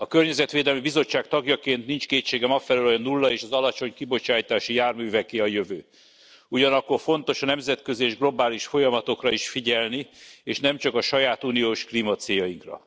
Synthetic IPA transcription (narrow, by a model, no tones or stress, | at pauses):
ɒkørɲɛzɛt̪ʋeːd̪ɛlmibizo̞t͡ʃːaːk̚t̪ɒɡjɒkeːnt̪nint͡ʃkeːt͡ʃːeːɡɛmɒfɛløːloɒnulːɒeːʃɒzɒlɒt͡ʃo̞ɲkibo̞t͡ʃaːjt̪aːʃijaːrmyːvɛkeːɒjøvøː | uɟɒnɒkːo̞rfo̞nt̪o̞ʃɒnɛmzɛt̪kø̞zieːʒɡlo̞baːliʃfo̞jɒmɒt̪o̞krɒiʃfiɟɛlnieːʃnɛmt͡ʃɒkɒʃɒjaːt̪uːnijoːʃklimɒt̪seːjɒjiŋkrɒ̰